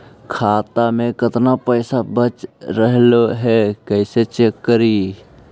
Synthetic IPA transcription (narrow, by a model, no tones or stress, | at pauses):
kʰaːt̪amekət̪napəɪsabət͡ʃɾəɦloɦɛkəɪset͡ʃekːəɾi